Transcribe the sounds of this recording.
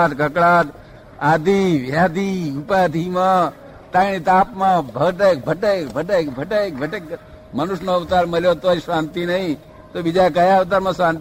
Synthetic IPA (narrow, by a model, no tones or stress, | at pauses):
t̪kəkɭat̪ | ad̪ʱiʋjad̪iupad̪ʱimã | t̪ãñit̪apmãbʱəɡʈek̚bʱəʈəkbʱəʈekbʱəʈək̚bʱəʈek | mənʊʃnoʋt̪aɾməljot̪osʋãnt̪inəɦĩ | t̪obid͡ʒak̬əjaʋt̪̬aɾmãsʋãnt̪